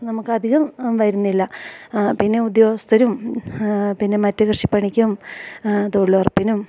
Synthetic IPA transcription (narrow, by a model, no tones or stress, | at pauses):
nɐmukːɨɐd̪ʱiɣɐmʋɐjɾunːilːɐpinːe̞ud̪joːst̪ʰɐɾum | pinːe̞mɐtːɨkrʂi̥pːɐɳikʲːum | t̪oɭːorpːinum